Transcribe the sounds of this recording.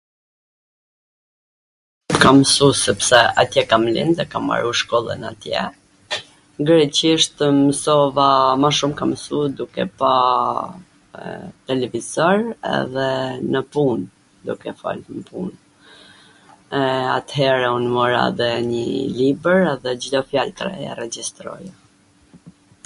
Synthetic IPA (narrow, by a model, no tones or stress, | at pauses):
kamsusɛpsɛa̰t̪jɛkamlḭnd̪ɛkama̰ɾuʃkɔlˠə̰na̰t̪jɛ̰ | ɡəɾɛciʃt̪əməsɔvamaʃumkaməsud̪ukɛ̰pa | t̪ɛlɛvizɔɾɛ̰ðɛnəpun | d̪ukɛfa̰lməpṵn | ɛa̰t̪hɛɾaunmɔɾa̰ðɛɲəlibəɾɛðɛd͡ʑidɔfjalt̪ɾɛ̰ɛ̰ɾɛd͡ʑist̪ɾɔ̰j